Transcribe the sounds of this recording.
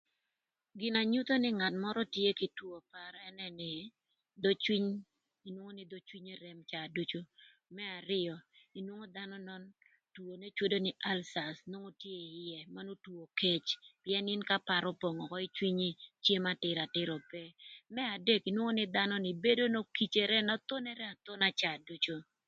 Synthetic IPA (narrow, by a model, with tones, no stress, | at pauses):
ɡɪ˨na˨ɲu˦t̪o˦nɪ˦ŋa˨tmɔ˦ɾɔ˦tje˦ki˨two˨pa˨ɾɛ˦nɛ˦nɪ˨ | d̪o˦t͡ʃwi˦ɲ | i˨nwo˦ŋo˦nɪ˦d̪o˦t͡ʃwi˦ɲe˦ɾe˨mt͡ʃaː˨du˦t͡ʃo˦ | mɛ˦a˨ɾɪ˦ɔ˨i˨nwo˦ŋo˦d̪a˦nɔ˦nɔ˦n | two˨ne˦t͡ʃwo˦do˦nɪ˨ʔa˦lsa˨sno˦ŋo˦tje˦jɛ˨ma˦no˦two˨ke˦t͡ʃpɪjɛ˦nɪ˦nka˦pa˨ɾo˦po˨ŋɔ˨kɔ˦i˦t͡ʃwi˦ɲi˦t͡ʃje˦ma˦tɪ˨ɾa˨tɪ˦ɾɔ˨pɛ˦mɛ˦a˨de˦ki˨nwo˦ŋo˦nɪ˦d̪a˦nɔ˦nɪ˨be˦do˦no˦ki˨t͡ʃe˨ɾɛ˦na˦t̪o˦nɛ˦ɾɛ˦a˨t̪o˦na˦t͡ʃa˨du˦t͡ʃo˦